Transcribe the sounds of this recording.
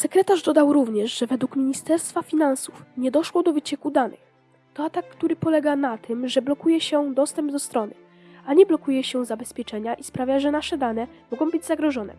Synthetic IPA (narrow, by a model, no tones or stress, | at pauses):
sɛkɾɛt̪aʐd̪ɔd̪awɾuvɲɛʐʐɛvɛd̪wukmʲiɲist̪ɛɾst̪fafʲinansu̥fɲɛd̪ɔʂwɔd̪ɔvɘt͡ɕɛkud̪anʔɘ̰x | t̪ɔat̪akːt̪uɾɘpɔlɛɡanat̪ʰɘmʐɛblɔkujɛɕɛd̪ɔst̪ɛmb̚d̪ɔst̪ɾɔnɘ | aɲɛblɔkujɛɕɛzabɛspʲjɛt͡ʂɛɲaʔispɾavʲjaʐɛnaʂɛd̪anɛmɔɡɔ̃w̃bɘd͡ʑzaɡɾɔʐɔnɛ̰